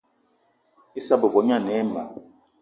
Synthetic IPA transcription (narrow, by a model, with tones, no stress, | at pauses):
i˦sa˦bo˨bɔ˨˦ɲa˦˨nɛ˨˦ma̰˨